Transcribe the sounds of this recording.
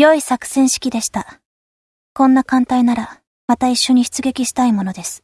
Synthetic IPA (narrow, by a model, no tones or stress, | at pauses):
jo̞isakɯ̥sẽ̞ɰ̃ɕi̥kʲid̪e̞ɕi̥t̪a | kõ̞nːakãnt̪ainaɾa | mat̪aiɕːo̞ɲ̟içi̥t͡sɨɡe̞kʲiɕi̥t̪aimo̞no̞d̪e̞sɨ̥